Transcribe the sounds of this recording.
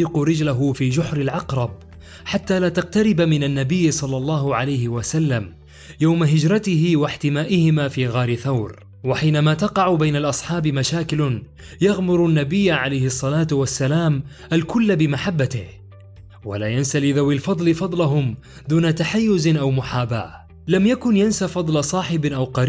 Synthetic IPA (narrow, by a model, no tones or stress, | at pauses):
iqʊɾɪd͡ʒlaɦʊfiːd͡ʒʊħɾɪlʕɑqɾˤɑb̚ | ħat̪ːaːlaːt̪ɑq̚t̪aɾɪbmɪnanːabɪjːsˤɑlːɑlˤːɑːhʊʕalajhɪwasalːam | jawmaɦɪd͡ʒɾˤɑt̪ɪɦɪwaħt̪ɪmaːʔɪhɪmaːfiːɣaːɾɪθawɾ | waħiːnamaːt̪ɑqɑʕʊbajnalʔɑsˤħɑːbɪmaʃaːkɪl | jɑɣmʊɾʊnːabɪjːaʕalajhɪsˤːɑlaːt̪wasːalaːm | ʔalkʊlːbɪmaħabːat̪ɪh | wa̰laːjansalɪðawːɪlfɑd̪ˤlɪfɑd̪ˤlaɦʊm | d̪uːnat̪aħajːʊzʔawmʊħaːba̰ː | lamjakʊnjansafɑd̪ˤlɑsˤɑːħɪbɪʔawqɑɾiː